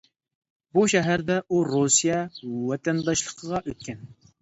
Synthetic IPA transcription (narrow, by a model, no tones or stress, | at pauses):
buʃɛɦæɾd̪ɛʔuɾosijɛwɛt̪ʰɛnd̪ɑʃlˠəqʰəʁɑʔøt̪̚kʲʰɛn